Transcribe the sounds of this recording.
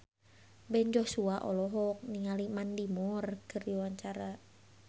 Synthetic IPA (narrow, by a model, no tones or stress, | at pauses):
bɛnd͡ʒɔhsuaʔɔ̰lɔɦɔk̚niŋalimandimɔrkərdiwaɲt͡ʃaɾa